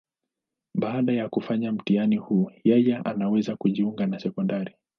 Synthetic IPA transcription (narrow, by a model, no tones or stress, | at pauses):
ɓaːɗajakufaɲam̩tianihuːjɛjɛʔa̰nawɛzakuʄiuŋɡanasɛkɔndaɾi